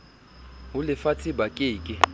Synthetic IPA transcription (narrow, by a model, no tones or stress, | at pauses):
ʊlɪfatʰɪbakʼɪːkʼɪ